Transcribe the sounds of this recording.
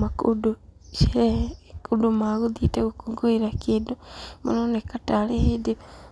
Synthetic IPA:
makudoʃekudomaɣuðiteɣukoɡoiɾakedomo̰nonekatalehedi

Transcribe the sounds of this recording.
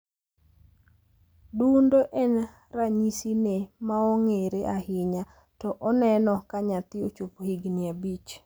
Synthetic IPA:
dundoʔɛn | raɲisinemaɔŋeɾeʔahɪɲa | tɔʔɔnɛnɔkaɲat̪ɪot͡ʃophiɡnɪabit͡ʃ

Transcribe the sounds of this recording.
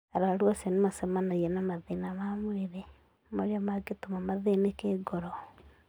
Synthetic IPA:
aɾaɾwɔsɛnemasɛmanaiɛnamaðenamamoɾeɾe | moɾeamaɡetomamaðenekeːɡɔɾɔ

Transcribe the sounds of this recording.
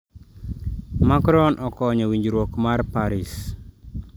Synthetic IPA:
makɾɔnʔɔkɔɲɔwiɲd͡ʒɾwokmarpaɾis

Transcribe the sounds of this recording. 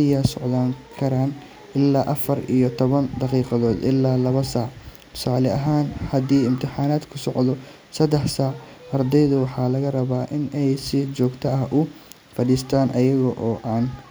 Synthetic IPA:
ɪjaːsɔʕðaːŋkʰɐɾaːn | ʔɪlːaːʔɐfɐɾḭjɞt̪ʰɔβɐnd̪ɑqiːqɑðɔːd̪ʔɪlːaːlɐβɐsaːʕ | t̪ʰʊ̥saːlɛɐɦaːnhɐd̪iːɪmt̪ʰɪħaːnaːd̪kʰʊsɔʕd̪ɔ | sɐd̪ɛħsaːʕɐrd̪ɛjðʊwɑħɑːlɐɣɐrɐβaːʔɪnɛjsɪt͡ʃɔːɡt̪ʰɐɐhʔʊ | fɐɽiːst̪ʰaːnʔɐjɐɣɔʔɔːʔaːn

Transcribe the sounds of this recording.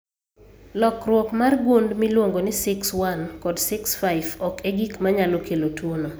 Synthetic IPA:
lɔkrwɔkmarɡundmilwoŋɡonɪsɪkswankɔdsɪksfaɪvɔkeɡikmaɲalokelotwono

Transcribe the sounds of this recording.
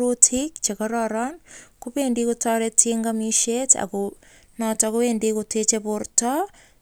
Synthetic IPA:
ɾutʰikt͡ʃekaɾaɾankuβendikutaɾeteŋɡamiʃeta̰ku | natakuβendikutet͡ʃeβuɾta

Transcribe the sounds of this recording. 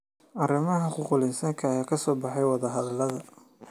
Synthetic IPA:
ʔɐrɪmɐɦɐkʊqʊlɪnsɐŋkʰɐːjaːkʰɐsɔːbɑħɑjwɑðɐɦɐðɐlɐðɐ

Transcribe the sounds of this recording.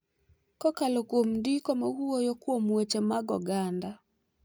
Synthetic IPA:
kɔkalokwomdikɔmaɡuojokwomwet͡ʃemaɡɔɡanda

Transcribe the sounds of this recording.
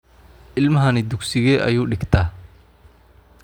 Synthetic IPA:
ʔɪlmɐɦɐnɪd̪ʊɡsɪɣɛʔɐ̰juːɖɪɡt̪ʰɐː

